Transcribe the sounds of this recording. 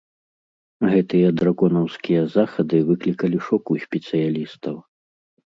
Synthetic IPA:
ɣɛt̪ɨjɐd̪ɾaɡɔnɐwskʲijɐzaxɐd̪ɨvɨklʲikɐlʲiʂɔkusʲpʲɛt̪sɨjalʲist̪ɐw

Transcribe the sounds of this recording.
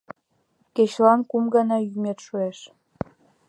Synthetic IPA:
ket͡ɕlɑnkumɡɑnɑjymet̪ʃueʃ

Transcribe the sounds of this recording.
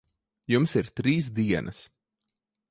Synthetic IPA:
jumsiɾt̪ɾiːs̬d̪iɛnʔɐs

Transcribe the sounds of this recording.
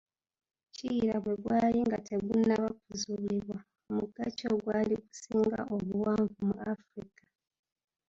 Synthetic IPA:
ciːɾaβwe̞ɡwaːjiŋɡatʰe̞ɡunːaβakuzuliβwa | omuɡacoːɡwaːliku̥siːŋɡa̰ʔoβuwaːɱvumuafɾikḁ

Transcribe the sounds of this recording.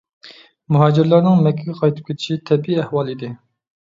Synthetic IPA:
muɦɑːd͡ʒiɾlˠɑɾnɨŋmɛkʲʰːɛɡʲɛqʰɑjt̪ʰɨ̥p̚kʲʰet̪ʰi̥ʃit̪ʰɛbiiɛhwɑlˠid̪ɪ

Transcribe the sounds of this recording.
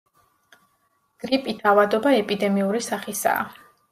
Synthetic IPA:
ɡ̥ɾipʼit̪ʰavad̪ɔbaɛpʼid̪ɛmiuɾisaχisa̰ː

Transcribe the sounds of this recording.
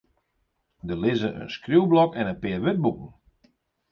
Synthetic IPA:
dəlɪzəʔə̰nskrjuwblɔkɛnənpɪərʋɪt̚bukən̩

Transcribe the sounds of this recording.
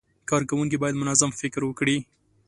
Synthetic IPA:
kɑɾkawuŋk̬ibɑjad̪mʊnazamfɪkɾwəkɽi

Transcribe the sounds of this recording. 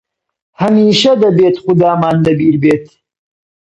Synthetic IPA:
hɐmiːʃɐd̪ɐbeːt̪xʊd̪aːmaːnd̪ɐbiːɾbeːt̪

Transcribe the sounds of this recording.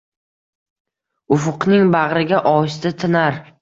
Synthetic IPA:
ʊfʊqnɪŋbaʁɾɪɡʲaʔɒɪst̪ɪt̪ʰɪnaɾ

